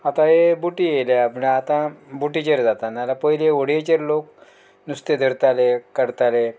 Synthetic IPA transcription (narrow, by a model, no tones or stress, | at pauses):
at̪ãɦebuʈijelaapəɳat̪ãbuʈit͡ɕəɾd͡zat̪analapəɦileəɽ̤ijet͡ɕəɾlok̚ | nust̪ed̪ʱəɾt̪alekəɾt̪ale